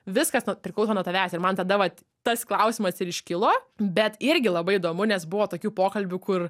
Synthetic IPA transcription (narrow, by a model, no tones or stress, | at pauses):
ʋʲɪskɐsnʊpʲɾʲɪklˠɐʊsoːnuɔt̪ɐʋʲæːsʲɪɾmɐnt̪ɐd̪ɐʋɐt | t̪ɐsklˠɐʊsʲɪmɐsɪɾɪʃʲkʲɪlˠoːbʲɛt̪ɪɾʲɡʲɪlˠɐbɐɪid̪oːmʊnʲɛsbʊʋoːt̪oːkʲuːpoːkɐlʲbʲukʊr